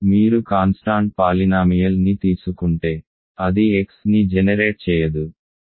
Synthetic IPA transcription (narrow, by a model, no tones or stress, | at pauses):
miːɾukaːnsʈaːɳʈ̚paːlinaːmijɐlnit̪iːsukuɳʈe̞ː | ɐd̪ieksnid͡ʒɛnɐɾe̞ːʈ̚t͡ʃɛːjɐd̪u